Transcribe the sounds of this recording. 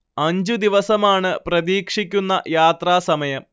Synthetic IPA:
ɐɲd͡ʑud̪iʋɐsɐmaːɳɨprɐðiːkʂikʲːunːɐ̰jaːt̪raːsɐmɐjɐm

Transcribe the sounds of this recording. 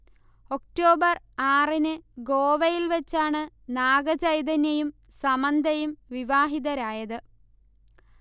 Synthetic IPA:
o̞k̚ʈo̞ːbɐr | aːrinɨɡoːʋɐjilʋɐt͡ɕːaːɳɨ | naːɡɐt͡ɕɐjd̪ɐnjɐjum | sɐmɐnd̪ʱɐjumʋiʋaːɦiðɐɾaːjɐðɨ

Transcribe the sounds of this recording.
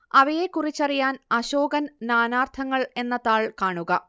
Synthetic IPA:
ɐʋɐje̞kːurit͡ɕːɐrijaːnɐɕoːɡɐnnaːnaːrt̪ʰɐŋːɐɭe̞nːɐt̪aːɭkaːɳuɣɐ

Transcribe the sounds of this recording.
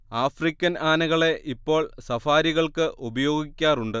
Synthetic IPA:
aːfrikʲːɐnaːnɐɣɐɭe̞ʔipːo̞ːɭsɐfaːɾiɣɐɭkɨʔubɐjo̞ːɡikʲːaːruɳɖɨ

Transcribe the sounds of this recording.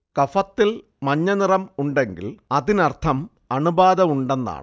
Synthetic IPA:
kɐfɐt̪ːil | mɐɲːɐnirɐmuɳɖe̞ŋɡḭlɐðinɐrt̪ʰɐm | ɐɳubaːðɐmuɳɖenːa̰ːɳɨ

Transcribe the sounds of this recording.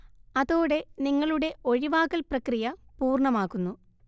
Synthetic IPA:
ɐðoːɽe̞niŋːɐɭuɽe̞o̞ɻiʋaːɣɐlprɐkrijɐpuːrɳɐmaːkːunːu

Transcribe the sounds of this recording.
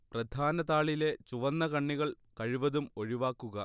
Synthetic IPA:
prɐd̪ʱaːnɐðaːɭile̞t͡ɕuʋɐnːɐkɐɳːiɣɐɭ | kɐɻiʋɐðumo̞ɻiʋaːkːuɣɐ

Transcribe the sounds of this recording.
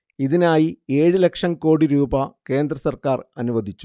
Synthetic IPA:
iðinaːjie̞ːɻɨlekʂɐmko̞ːɽiɾuːbɐke̞ːnd̪ɾrɐsɐrkaːrɐnuʋɐd̪ʱit͡ɕːu̥

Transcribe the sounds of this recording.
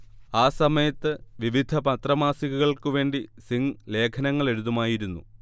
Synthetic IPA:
aːsɐmɐjɐt̪ːɨʋiʋid̪ʱɐpɐt̪rɐmaːsiɣuɣɐɭkuʋe̞ːɳɖisiŋle̞ːkʰɐnɐŋːɐɭe̞ɽuðumaːjiɾunːṵ

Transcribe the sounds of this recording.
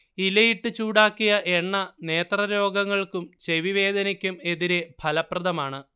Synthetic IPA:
ilɐjiʈːɨt͡ɕuːɽaːkːijɐʔe̞ɳːɐne̞ːt̪rɐɾo̞ːɡɐŋːɐɭkumt͡ɕe̞ʋiʋe̞ːd̪ɐnikʲːume̞ðiɾe̞bʱɐlɐprɐðɐmaːɳɨ

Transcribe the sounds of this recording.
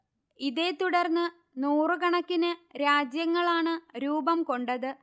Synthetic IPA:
iðe̞ːt̪uɽɐrnːɨ | nuːrɨkɐɳɐkːinɨɾaːd͡ʑjɐŋːɐɭaːɳɨɾuːbɐmko̞ɳɖɐðɨ

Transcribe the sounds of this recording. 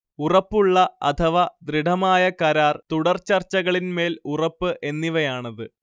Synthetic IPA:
urɐpːuɭːɐɐ̰t̪ʰɐʋɐd̪riɖʱɐmaːjɐkɐɾaːrt̪uɽɐrt͡ɕɐrt͡ɕːɐɣɐɭinme̞ːlurɐpːɨʔe̞nːiʋɐjaːɳɐðɨ

